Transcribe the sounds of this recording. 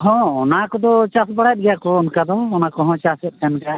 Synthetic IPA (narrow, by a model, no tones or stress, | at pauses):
ɦɔ̃ɔnakɔd̪ɔt͡ʃasbəɽajt̚ɡɛjakɔʊnkad̪ɔʊnakɔɦɔ̃t͡ʃasɛt̪̚ɛnka